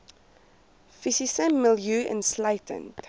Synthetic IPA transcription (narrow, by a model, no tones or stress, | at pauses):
fisisəmːɪljuɛ̰̃nslaɪtʰə̰̃nt